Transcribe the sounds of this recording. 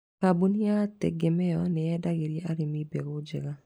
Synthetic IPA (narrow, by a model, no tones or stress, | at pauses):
kabuniatɛ̰ɡemɛjɔnɛɛdaɣeɾjeaɾɪmibɛɣod͡ʒɛɣa